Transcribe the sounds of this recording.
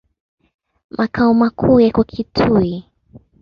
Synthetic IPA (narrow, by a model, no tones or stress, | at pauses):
mʔakaumakʰujakwakʰitʰui